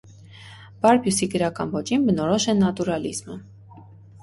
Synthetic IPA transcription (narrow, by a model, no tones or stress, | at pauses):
b̥ɑɾbjusiɡəɾɑkɑ̰nvɔt͡ʃinbənɔɾɔʃɛnɑt̪uɾɑlḭzmə